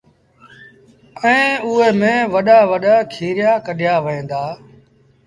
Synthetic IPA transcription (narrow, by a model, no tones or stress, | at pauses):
ɛ̃ːʊɦeːmẽːʋəɗaːʋəɗaːkʰiːɾɪjaːkəɗjaːʋẽːnd̪aː